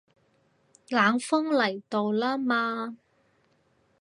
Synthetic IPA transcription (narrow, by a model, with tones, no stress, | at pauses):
laː˨˧˥ŋfʊ˥ŋlɐ˨˩jt̪o˨wlaː˥maː˧